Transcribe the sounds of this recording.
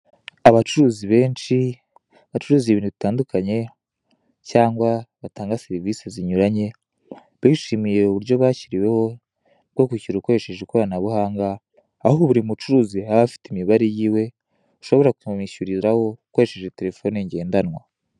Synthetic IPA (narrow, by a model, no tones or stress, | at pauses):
aβat͡ʃuɾuːziβe̞ːnʃi | aβat͡ʃuɾuːzieβiːnuβitaːndukʰaɲe̞ | caːŋɡwaβataːŋɡaseɾiviseziɲuɾaɲe̞ | βiʃimije̞uβuɾjo̞βaːciɾiwe̞ho̞ | b̚ɡo̞kuciɾuko̞ɾe̞ʃe̞ʒekoɾanaβuhaːŋɡaː | hoβuɾimut͡ʃuɾuːzihaβafi̥timiβaɾejiːwe̞ | uʃo̞βo̞ɾakuumiʃuɾiɾaho̞uko̞ɾe̞ʃe̞ʒe̞teɾe̞fo̞niɲɟe̞ːndanwa